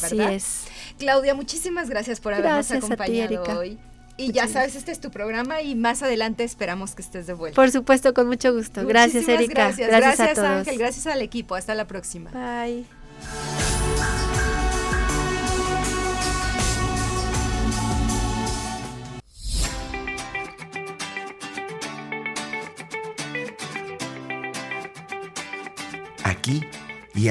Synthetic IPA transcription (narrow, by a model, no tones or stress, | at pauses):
beɾðiðaesklawðjamut͡ʃisimazɣɾasjaspo̞ɾaβɾɾaosaakoatpaɲaeɾiðoaoj | iʝasaβesest̪eest̪upɾo̞ɣɾamaimasaðe̞lant̪e̞ːspe̞ɾamo̞skest̪e̞zðeβwe̞ltpoɾsupwe̞st̪okonmut͡ʃoɣust̪oɣɾasijaeaɾiɣɾasjazɾaɾasaasoðaoxelɣɾasjasalekipo̞ast̪alapɾo̞ksima̰baj | a̰ki | i